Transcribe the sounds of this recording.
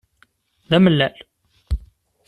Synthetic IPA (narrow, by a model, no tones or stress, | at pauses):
ðæməlːæl